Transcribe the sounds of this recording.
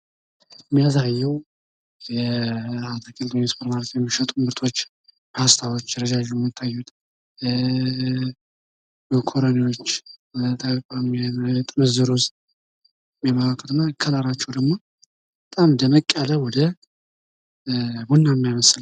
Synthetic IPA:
mːijasajːɛw | jɛat̪ʰəkʰʼilt̪ʰoɲispʰəɾmaɾt̪jɛmːiʃət̪ʼuɨmbɨɾt̪ʰo̞t͡ʃː | hast̪ʰawot͡ʃːjɾəd͡ʒaʒɛmːit̪ʰːajːut̪ʰ | bəkʰo̞ɾoniwo̞t͡ʃːbt̪ʰəkəkʼamient̪ʼɨməzɨɾost̪ | jjɛmalakʰə̥t̪ʰɨnakʰːəlaɾat͡ʃːɛwd̪əɡmo̞ | bət̪ʼamd̪əməkʼːələwɔd̪ə | bunːamːijaməsl

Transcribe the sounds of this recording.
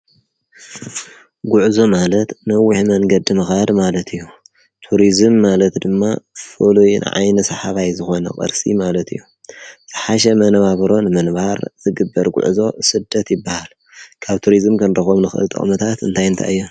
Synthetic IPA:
ɡuʕzo̞malɐt̪nɐwːɪħmɐŋɡɐd̪ɨmɐxad̪malɐt̪ʰɨjːu | t̪ʰuɾizɨmːalɐt̪d̪ɨmːafɨlujn̰ʕa̰jnɐsɐħaβajzɨxo̞nɐ̰kʼɐ̰ɾsḭmalɐt̪ʰɨjːu | z̥ʰɨħaʃ̬ɐmɐnβaβɾo̞nɨmɨnbaɾz̥ɨɡɨbːɐɾɡʷṵʕzo̞sɨd̪ːɐt̪jɪbːahal | kʰaβt̪ʰuɾizɨmkʰɐnd̪ɐxomnɨxʔɨ̰lt̪ʼɨ̰χʼmɐt̪ʰat̪ɨ̰nt̪ʰajɨnt̪ʰa̰ɨjːo

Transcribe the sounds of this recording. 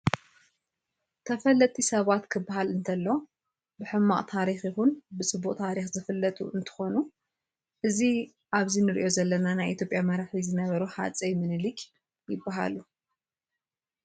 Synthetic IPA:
t̪ʰɐfɐlɐt̪ʼisɐβat̪kʰɨbːaɦalɨnt̪ʰɐlːo̞ | bɨħɨmːa̰ʔʼt̪ʰaɾixjɪhunbɨsɨbuʔʼt̪ʰaɾixzɨfɨlːɐt̪ʼṵɨnt̪ʰɨ̥xo̞nu | ʔɨzi | ʔaβzinɨɾḭʔo̞zɐlːɐnanajʔḭt̪ʰjopʼjamɐɾaħizɨnɐβɐɾuħa̰t͡sʼɐjmɨnɨlik | jɪbːaɦa̰lu

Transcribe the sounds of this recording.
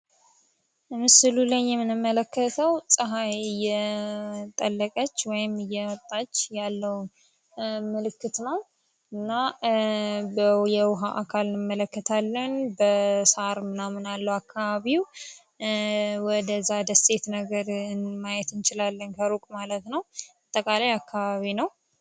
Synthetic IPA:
mɨsɨlulajːɛmːɨnɨmːələkʰːət̪ʰəwsʼɨɦajjɛ | t̪ʼəlːəkʼət͡ʃːwɔjɪmɨjɛɔt̪ʼːat͡ʃːjalːəw | mɨlɨkːɨt̪nəw | ɨnːa | bəjɛwʊɦaʔakʰalɨnɨmːələkːət̪ʰalːənbəsaɾmɨnamɨnalːəwakːaβaβiw | wɔd̪əzːad̪əst̪ʼe̞t̪nəɡəɾmajɛt̪ɨnt͡ʃɪlalːənkʰəɾukʼmalət̪nəwbat̪ʼːəkʼalajakʰːaβaβinəw

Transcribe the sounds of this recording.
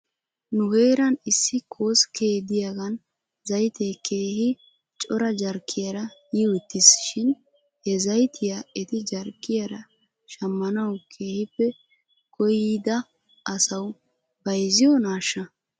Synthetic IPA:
nʊhe̞ːɾɐnɪsːɪkʰo̞ːskʰeːd̪ɪjaɡɐn | zɐjt̪ɛjkʰe̞ːhɪ | t͡ʃʼɔɾɐd͡ʒɐɾkʰːɪjɐɾɐjiwɛt̪ːɪsʃɪn | hɛzɐjt̪ʰɪjaɛt̪ɪd͡ʒɐɾkʼːɪjɐɾɐ | ʃɐmːɐnɐwkʰe̞ːhɪpːɛ | kɔjɪd̪ɐ | ʔɐsɐw | bɐjzɪjɔnaːʃːɐ

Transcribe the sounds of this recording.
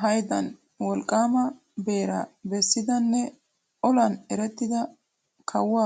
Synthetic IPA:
ɦɐjd̪ɐn | wɔlkʼːaːmɐ | beːɾɐ̰bɛsːɪd̪ɐnːɛ | ʔɔlɐnɛɾɛt̪ːɪd̪ɐ | kʰɐwːaː

